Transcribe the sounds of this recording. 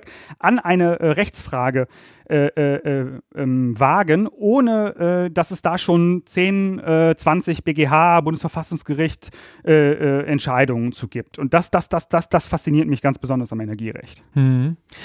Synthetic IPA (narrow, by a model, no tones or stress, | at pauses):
ʔanʔaɪnəʔɛʁɛçt͡sfʁ̥aːɡə | ʔɛːʔɛːʔːʔɛmvaːɡənʔoːnəʔɛːd̥asɛsd̥aːʃoːnt͡seːnʔɛːt͡sv̥ant͡sɪçb̥eːɡeːɦaːbʊndəsfɛɐfasʊŋsɡ̥əʁɪçtʔɛːʔɛːʔɛntʃaɪdʊŋənt͡suːɡiːp̚tʰʊnt̚d̥asd̥asd̥asd̥asd̥asfast͡siniːɐtmɪçɡ̥ant͡sb̥əzɔndɐsamɛnɛɐɡiːʁɛ̰çt